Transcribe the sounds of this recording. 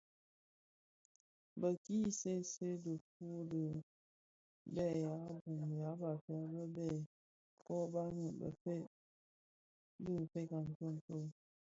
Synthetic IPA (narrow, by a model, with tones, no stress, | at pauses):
bə˨ki˦se˦se˦də˨k̚u˦də˨ | bɛ˦˨ja˨˦bu˨mja˨˦ba˨fja˦bə˦bɛ˦˨ | kɔ˦ba˦ŋə˨bə̰˨fe˦ | dɨ˦˨fe˦ka˨n̩˨tə˦˨n̩˨to˦